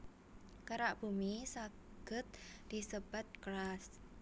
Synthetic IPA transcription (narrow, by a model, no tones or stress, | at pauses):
kaɾaʔb̥umisa | ɡ̥ə̤t̪̚d̪̥isəb̥a̤t̪̚kɾas